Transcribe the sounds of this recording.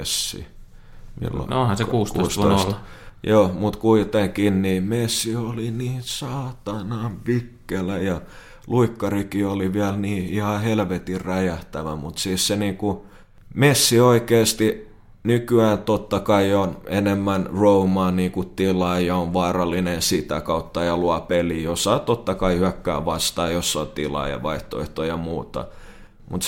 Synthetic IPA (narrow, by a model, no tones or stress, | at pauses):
esːḭ | mḭlːo̰ŋnonhɑsekuːstk̪uo̰ːst̪o̰islːjoːmut̪kuit̪eŋkinniːmesːioliniːnsɑːt̪ɑnɑːʋpikːelæjɑ | luikːɑrikioliʋiælniːihɑhelʋet̪irræjæht̪æʋæ̰mut̪siːsseniːku | mesːioikeːst̪i | nykyæːnt̪ot̪ːɑkɑionenemːænroumɑːniːkut̪ilɑːjɑoʋʋɑːrɑlːinensit̪ækɑut̪ːɑjɑluɑpelijosɑːt̪ot̪ːɑkɑihyækːæ̰ːʋɑst̪ɑːjosːɑt̪ilɑ̰ːjɑ̰ʋɑiht̪oḛht̪ojɑmuːt̪ɑ̰ | mut̪